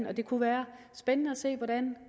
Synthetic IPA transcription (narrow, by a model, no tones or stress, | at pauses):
nɒ̽d̥e̝kʰuʋæːɐ | sb̥enənəæse̝̰ːʋɒɾ̥æn